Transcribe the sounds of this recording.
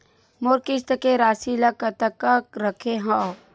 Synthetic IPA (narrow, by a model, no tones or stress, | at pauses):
moɾkɪst̪əkeɾaːsilakət̪əkakɾəkʰeɦa